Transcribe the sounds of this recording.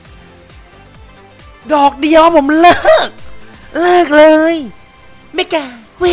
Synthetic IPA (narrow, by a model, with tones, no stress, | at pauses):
dɔː˨˩k̚di˧əwpʰo˩˦mlɤː˧˥˩k̚lɤː˥˩k̚lɤː˧j | ma˥˩jkaː˧ | wi˧˥